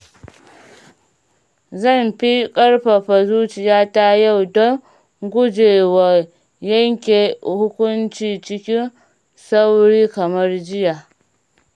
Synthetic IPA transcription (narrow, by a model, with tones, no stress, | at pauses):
zɐ˦˨mɸi˦kʼɐ˦rɸa˨ɸa˨zuː˦t͡ʃɪ˨jaː˦ta˦ja˦˨wdɔ˦ŋ | ɡʷʊ˦d͡ʒeː˨wa˨ | jɐ˦ŋkʲe˨hʊ˦kʷʊ˦nt͡ʃiː˨t͡ʃɪ˦kʲɪ˦n | sa˦wɽiː˦kɐ˨mɐ˦rd͡ʒɪ˦ja˨